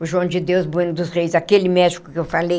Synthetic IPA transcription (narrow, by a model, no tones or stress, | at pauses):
ʊʒõnd͡ʒɪd̪ewzbũnʊd̪ʊsʁejszakelɪmɛʃi̥kʊ̥kɪewfalej